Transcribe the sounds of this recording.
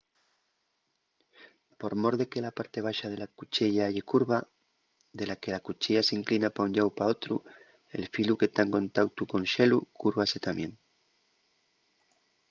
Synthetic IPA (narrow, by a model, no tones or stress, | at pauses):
po̞ɾmo̞ɾðe̞ke̞lapaɾt̪e̞β̞aʃaðe̞lakut͡ʃeʎaaʝe̞kuɾβa | ðe̞lake̞lakut͡ʃeʎaseiŋklinapauɲʎawpao̞t̪ɾu | e̞̰lfiluket̪aŋkõ̞nt̪awt̪ukõ̞nʃe̞lukuɾβase̞t̪amjẽ̞ŋ